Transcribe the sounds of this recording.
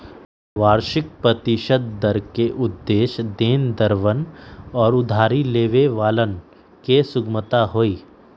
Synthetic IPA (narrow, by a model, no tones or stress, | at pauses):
ʋaːɾʃɪk̚pɾət̪ɪʃəd̪̚d̪əɾkeʔʊd̪ːeːʃd̪eːnd̪əɾʋənɔːɾʊd̪ʱaːɾileːʋeʋaːlən | kesʊɡmət̪aɦoːiː